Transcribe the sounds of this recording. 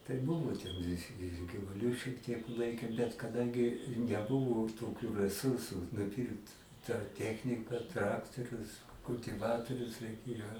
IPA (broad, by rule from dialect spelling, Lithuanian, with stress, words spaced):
tɐɪ ˈbʊʋoː tʲɛn ɪ ɪr ɡʲɪʋʊˈlʲʊ ʃʲiɛk tʲiɛk ˈlˠɐɪkʲeːm bʲɛt kɐˈdɐŋʲɡʲɪ nʲɛˈbʊʋʊ toːˈkʲʊ rʲɛˈsʊrsʊ nʊˈpʲiːrkt tɑː ˈtʲæːxʲnʲɪkɐ ˈtrɑːktoːrʲʊs kʊlʲtʲɪˈʋɑːtoːrʲʊs rʲɛɪˈkʲeːjoː